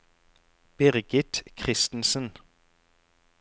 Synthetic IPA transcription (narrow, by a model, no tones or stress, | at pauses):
b̥ɪʁɡɪt̪kʰʁɪst̪n̩sən